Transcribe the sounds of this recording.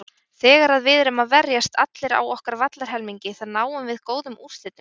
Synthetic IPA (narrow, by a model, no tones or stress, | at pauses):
θɛːɣaɾaðvɪðɾʏmaðvɛɾjast̪ʰat̪lɪɾa̰wɔhkaɾvat̪laɾ̥ɦɛlmiɲcɪθaɾnaːwʏmvɪðkoːwðʏmu̥st̪lɪt̪ɪ